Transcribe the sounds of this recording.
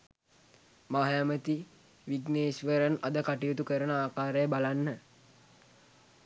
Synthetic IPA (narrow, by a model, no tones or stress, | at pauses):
maɦajamət̪i | ʋiɡneːsʋəɾənad̪əkaʈijut̪ukəɾənəaːkaːɾəjəbalanːə